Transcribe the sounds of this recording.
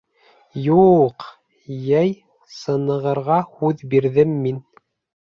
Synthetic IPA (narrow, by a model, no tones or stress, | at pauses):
juq | jæj | sɤ̆nɤ̆ʁɤ̆ɾʁɑhʉðbiɾðɘmːin